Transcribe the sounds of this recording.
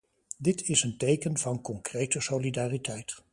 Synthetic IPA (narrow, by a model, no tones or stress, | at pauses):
dɪtʰɪsəntejkənv̥ɑnkɔŋkrejtəsowlidaːritɛjt